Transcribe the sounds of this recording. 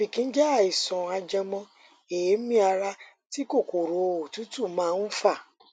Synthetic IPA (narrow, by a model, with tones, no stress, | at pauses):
fi˨kĩ˦n̩˦d͡ʒɛ˦a˦˨i˨sɔ̃˨a˧d͡ʒɛ˧mɔ̃˧ | e˨je˨˦mĩ˦a˧ɾa˧ | ti˦ko˦˨ko˨ɾo˨o˨tu˦tu˦˨mãː˦˧n̩˦fa˦˨